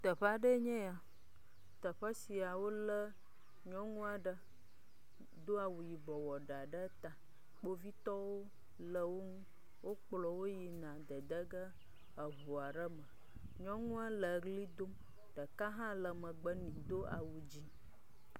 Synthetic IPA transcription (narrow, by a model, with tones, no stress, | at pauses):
t̪ə˨ɸa˦ɖə˦ɲɛ̃˦a˨ | t̪ə˨ɸə˦si˨a˨wo˦lə˦ | ɲɔ̃˦ŋũ˦a˨ɖə˦ | d̪o˦a˨wu˨ji˨bɔ˨wɔ˨ɖa˨ɖə˦t̪a˨ | k͡po˦vi˦t̪ɔ˦wo˦ | lə˨wo˦ŋũ˦ | wʔo˦k͡plɔ˨wo˦ji˨nã˨d̪ə˨d̪ə˦ɡə˦ | ə˨ɦu˨a˨ɖə˦mə̃˨ | ɲɔ̃˦ŋũ˦a˦lə˨ɡli˦d̪o˦m | ɖ̥ə˨ka˦ɦã˦lə˨mə̃˨ɡ͡bə˦nĩ˨d̪o˦ʔa̰˨wu˨d͡ʑi˦